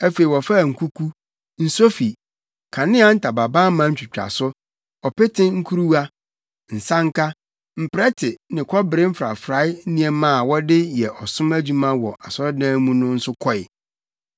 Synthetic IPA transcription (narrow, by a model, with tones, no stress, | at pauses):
æ˦fe˨i˨wɔ˨fa˦˨ŋ̩˨kʰu˦kʰu˦ | n̩˨so˦fi˨ | kʰã˨nɪ̃˦a˦n̩˦tʰa˨ba˨ba˦mã˦t͡ɕᶣi˨t͡ɕᶣa̰˨sʊ˦ | ɔ˨pe˦tʰɪ̃˦ŋ̩˦kʰu˦ɾu˦wa˦ | n̩˨sã˦ŋ˦kʰa˦ | m̩˨pɪ˨ɾɛ˦tʰɪ˨nɪ̃˨kʰɔ˦bɪ˨ɾɪ̃˦m̩˦fɾa̰˨fɾa˨˦ɪ˦n̩˦nĩ˦ɛ̃˦mã˦˨wɔ˦dɪ˦jɛ˨ʔɔ˨sʊ̃˦mæ˦d͡ʑu˦mã˦wɔ˨ʔa˨sɔ˦ɾdã˦mũ˦nʊ̃˦n̩˦sʊ˦kʰɔ˦ɪ̰˨